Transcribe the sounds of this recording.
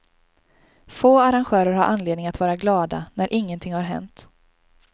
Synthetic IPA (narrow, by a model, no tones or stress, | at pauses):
foːaɾanɧœːɾəɾhaɾʔanleːd̪nɪŋat̪vɑːɾaɡlɑːd̪a̰næɾʔɪŋːənt̪ʰɪŋhaɾɦɛ̰nt̪